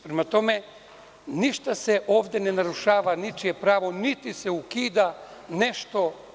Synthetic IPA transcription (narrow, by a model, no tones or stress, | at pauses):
pɾemat̪o̞me | niʃt̪aseʔo̞ːʋd̪enenaɾuʃaːʋanit͡ʃijepɾaːʋo̞nit̪iseukiːd̪ane̞ʃt̪o̞